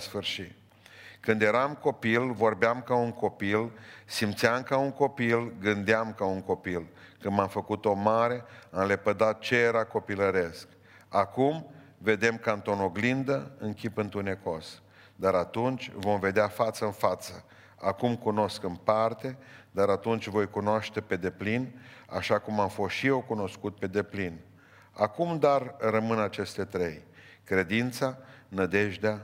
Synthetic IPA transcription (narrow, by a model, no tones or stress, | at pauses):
sfɨrʃit̪ | kɨnd̪je̞ɾamko̞pilvo̞rbeamkauŋko̞pilsimt̪siamkauŋko̞pilɡɨnd̪eamkauŋko̞pil | kɨnd̪mamfəkut̪o̞maɾe̞amle̞pəd̪at̪̚t͡ʃe̞jeɾako̞piləɾe̞sk | akum | ve̞d̪e̞mkant̪o̞noɡlind̪əɨŋkʲipɨnt̪une̞ko̞s | d̪aɾat̪unt͡ʃʲvo̞mve̞d̪eafat̪səɨnfat̪sə | akumkuno̞skɨnpart̪e̞d̪aɾat̪unt͡ʃʲvo̞jkunoaʃt̪e̞pe̞d̪e̞plina̰ʃakumamfo̞sʃije̞wkuno̞skut̪̚pe̞d̪e̞plin | akumd̪arrəmɨnat͡ʃe̞st̪e̞t̪ɾe̞jkɾe̞d̪int̪sanəd̪e̞ʒd̪ea